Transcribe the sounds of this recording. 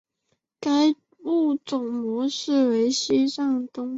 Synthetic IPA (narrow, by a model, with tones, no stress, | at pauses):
ka˥ɪ | u˥˩t͡sʊ˨˩ŋmwɔ˧˥ʂɻ̩˥˩we˧˥ɪɕi˥ʂɑ˥˩ŋt̪ʊ˥ŋ